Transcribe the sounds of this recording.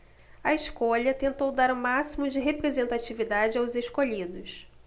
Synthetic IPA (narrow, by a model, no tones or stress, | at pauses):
ɐeʃkoʎɐt̪ẽnt̪owd̪aɾũmasimʊd͡ʒɪɦepɾezẽnt̪at͡ʃivid̪ad͡ʒɪawzeʃkoʎid̪ʊs